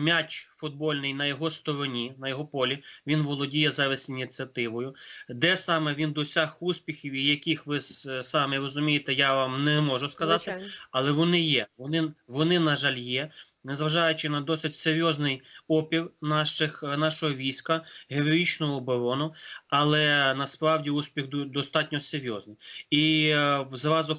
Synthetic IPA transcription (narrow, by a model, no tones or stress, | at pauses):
mʲat͡ʃʲfʊd̪̚bɔlʲnɪjnɐjɔɦɔst̪ɔɾɔnʲinɐjɔɦɔpɔlʲiʋʲinʋɔlˠɔdʲijɛzɛʋʲɪsʲtʲinʲit̪t͡sʲiɐt̪ɪʋɔjʊd̪ɛsɑmɛʋʲind̪ɔsʲaxuspʲixʲiwijɐkʲixʋɪsɑmɛɾɔzʊmʲijet̪ɛjaʋɑmnɛmɔʒʊskɐzɑt̪ɪɐlˠɛʋɔnɪjɛʋɔnɪʋɔnɪnɐʒɑlʲjɛ | nɛzʋɐʒɑjʊt͡ʃɪnɐd̪ɔsɪtʲseɾʲjɔznɪjɔpʲirnɑʃɪxnɑʃɔɦɔʋʲijsʲkɐɦɪɾɔɾʲit͡ʃnɔɦɔːbɔɾɔnʊɐlˠɛnɐspɾɑwdʲiusʲpʲiɣdd̪ɔst̪ɑtʲnʲɔseɾʲjɔznɪjiwzɾɑzʊ